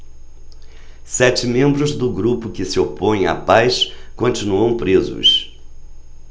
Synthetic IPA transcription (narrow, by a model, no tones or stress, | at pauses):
sɛt͡ʃɪmẽmbɾʊzd̪ʊɡɾupʊkɪsɪopõj̃a̰pajskõnt͡ʃinuɐ̃w̃pɾezʊ̰s